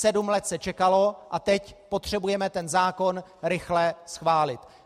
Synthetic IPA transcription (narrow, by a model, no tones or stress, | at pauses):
sɛdumlɛt̪sɛt͡ʃɛkalo̞ʔat̪ɛcpo̞t̪r̝̥ɛbujɛmɛt̪ɛnzaːko̞nɾɪxlɛsxvaːlɪt̪